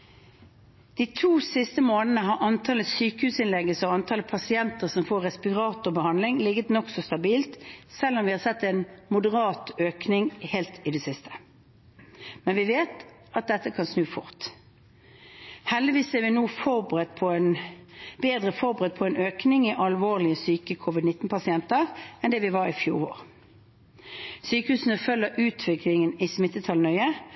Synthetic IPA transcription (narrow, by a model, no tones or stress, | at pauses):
d̪̥iːt̪ʰuːsɪst̪əmoːnənəɦɑʔɑnt̪ʰɑləsyːkəhʉːsɪnlɛɡːəsɔɑnt̪ʰɑːləpʰɑsɪɛnt̪əʁsɔmfoːʁɛspɪʁɑːt̪ʊbəhɑnd̪lɪŋlɪɡət̪nɔksɔst̪ɑbiːlt̪sɛlːɔmʋɪhɑsɛt̪ːɛnmʊd̪əʁɑːt̪øːknɪŋheːlt̪ʰɪd̪ɛsɪst̪ʰə̥ | mɛnʋɪʋeːt̪ | ʔɑt̪̚d̪ɛt̪ːəkʰɑnsnʉːfʊ̰ʁt̪ | hɛld̪ɪʋiːsɛʋɪnuːfɔʁbʁət̪pʰɔɛnbeːd̪ʁəfɔʁbəʁɛt̪̚pʰɔɛnøːknɪŋɪʔɑlʋoːʁlɪəsyːkəkʰʊʋɪd̪nɪt̪ːn̩pʰɑsɪɛnt̪əʁɛnd̪ɛːʋɪʋɑʁɪfjuːʁo̰ːʁ | syːkəhʉːsn̩əfœlːəʔʉːt̪ʰʋɪklɪŋənɪsmɪt̪ːət̪ʰɑlnœʏə